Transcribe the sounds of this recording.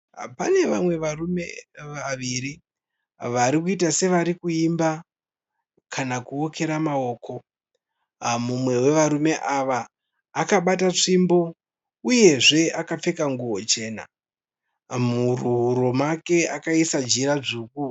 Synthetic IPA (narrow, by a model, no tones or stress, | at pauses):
pane̞ʋamwe̞ʋarume̞ʋaʋiɾi | ʋaɾikuitase̞ʋaɾikuimba | kʰanakuo̞ke̞ɾamao̞ːko̞ | mumwe̞we̞ʋaɾume̞ʔaʋaː | kaɓatat͡ʂimbo̞ | uje̞ʐe̞akap͡fe̞kaŋɡuwo̞t͡ʃe̞ːna̰ | muruɦuɾo̞make̞akaisad͡ʒiɾaʐuku